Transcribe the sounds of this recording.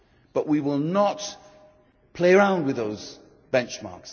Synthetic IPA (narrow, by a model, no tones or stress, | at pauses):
b̥ʌʔwiwɪlˠnət | pʰl̥eɪəɹãʊ̃nd̚wɨðoʊz | b̥ɛ̃nt͡ʃmɑ̰ɹks